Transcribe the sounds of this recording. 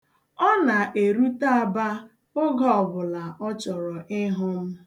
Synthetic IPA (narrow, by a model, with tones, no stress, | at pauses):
ɔ˦na˨ʔe˨ɾu˦ta˦a˨ba˦ | ʊ˦ɡɔ˦˨bʊ˨la˨ʔɔ˦t͡ʃɔ˨ɾɔ˨ʔɪ˦ɦʊ˦m̩˦